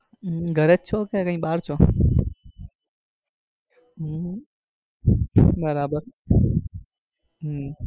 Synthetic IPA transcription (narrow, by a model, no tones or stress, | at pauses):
ɡʱəɾet̚t͡ʃʰokekə̃ĩːɓaːɾt͡ʃʰoː | ɦ | bəɾaːbəɾ | ɦ